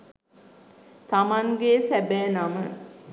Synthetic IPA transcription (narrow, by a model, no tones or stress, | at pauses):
t̪amaŋɡesæbɛːnamə